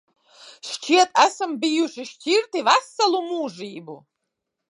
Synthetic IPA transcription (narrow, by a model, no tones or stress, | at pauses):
ʃt͡ʃʰit̪asɨmbijuʃiʃt͡ʃʰirt̪ʰivasːalumuːʐibṵ